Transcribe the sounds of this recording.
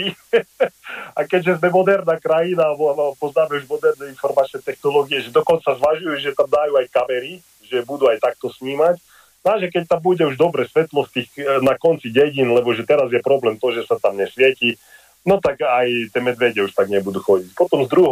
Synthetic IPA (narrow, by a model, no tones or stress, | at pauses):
akɛɟʒɛzmɛmɔd̪ɛɾnaːkɾajinaalbɔapɔzaːmɛuʒmɔd̪ɛɾnɛinfɔɾmat͡ʃnɛt̪ɛxnɔlɔːɡiɛʒɛd̪ɔkɔnt͡sazʋaʒujuʒɛt̪amd̪aːjuajkamɛɾi | ʒɛbud̪uajt̪ak̚t̪ɔsmiːmac | naʒɛkɛc̚t̪ambuɟɛuʒd̪ɔbɾɛsʋɛt̪lɔst̪iːxnakɔnt͡siɟɛɟinlɛbɔʒɛt̪ɛɾazjɛpɾɔblɛːmt̪ɔʒɛsat̪amɲɛsʋɪɛci | nɔt̪akajt̪ɪɛːmɛd̪ʋɛɟɛuʃt̪aɡɲɛbud̪uxɔɟicpɔt̪ɔmzd̪ɾuɦ